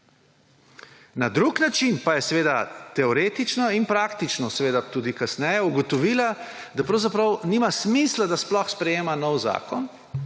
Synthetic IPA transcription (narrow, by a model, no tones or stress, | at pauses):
nad̪ɾuknat͡ʃinpajɛsɛʋeːd̪at̪ɛɔɾeːt̪it͡ʃnɔinpɾakt̪it͡ʃnɔsɛʋeːd̪at̪uːd̪ikasnɛjɛuɡɔt̪ɔʋiːla | d̪apɾɐwzapɾawnimasmislad̪asplɔxspɾɛjeːmanɔwza̰ːkɔn